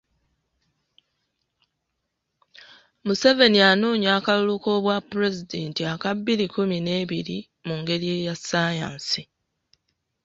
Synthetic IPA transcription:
muse̞ve̞nianuːɲakaluluko̞ːβwapːuɾe̞zide̞ːntiakabːiɾikumine̞ːβiɾi | muŋɡe̞ɾie̞ːjasaja̰ːnsi

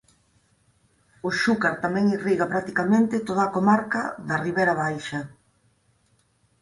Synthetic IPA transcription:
ʊʃukaɾt̪amɛ̃ŋiriɣapɾak̚t̪ikamẽnt̪ɪt̪oðaːkomaɾkaðɐriβeɾaβ̞ajʃɐ

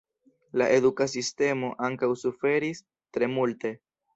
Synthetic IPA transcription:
laʔe̞dukasiste̞mo̞ʔaŋkawsufe̞ɾis | tɾe̞multe̞

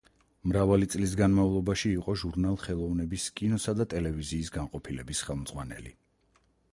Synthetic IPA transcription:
mɾavalit̪sʼlis̬ɡanmaulˠɔbaʃiːqʼɔʒuɾnalˠχɛlˠɔvnɛbiskʼinɔsad̪at̪ʼɛlɛviziːsɡaŋqʼɔpʰilɛbisχɛlˠmd̪z̥ʁwanɛ̰lḭ

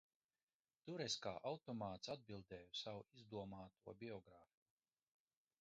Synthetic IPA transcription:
t̪uɾɛskaːʔawt̪ɔmaːt̪sad̪̚bilˠd̪ɛːjusawuizd̪uɔmaːt̪uɔbʲiɔɡɾaːfi̥ku

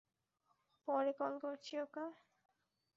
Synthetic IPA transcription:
pɔɾekɔlkoɾt͡ɕʰioka

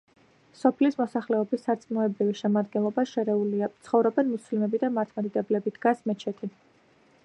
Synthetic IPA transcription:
sɔpʰlismɔsaχlɛɔbisːaɾt̪sʼnɔɛbɾiviʃɛmad̪̚ɡɛnlˠɔbaʃɛɾɛuliat̪sʰχɔvɾɔbɛnmuslimɛbid̪amaɾt̪ʰmad̪id̪ɛblɛbid̪̥ɡasmɛt͡ʃʰɛt̪ʰi

